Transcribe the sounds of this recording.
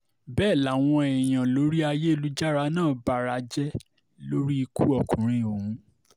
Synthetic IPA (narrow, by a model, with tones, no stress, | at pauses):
bɛː˦˨la˨˦˨w̃ɔ̃˧ɛ˨j̃ã˨lo˨˦ɾi˦a˧je˦e˦˧lu˦d͡ʒa˦ɾa˨˦nãː˦˨ba˨˦ɾa˨˦d͡ʒɛ˦ | lo˦ɾi˦i˧kṵ˦ɔ˦˨kũ˨ɾ̃ĩ˧˨o˨hũ˨˦